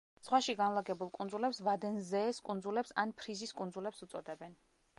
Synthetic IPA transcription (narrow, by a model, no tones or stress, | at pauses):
sχwaʃiɡanlˠaɡɛbulˠkʼund̪zulɛpsvad̪ɛnzɛːskʼund̪zulɛpsanpʰɾiziskʼund̪zulɛpsut̪sʼɔd̪ɛbɛn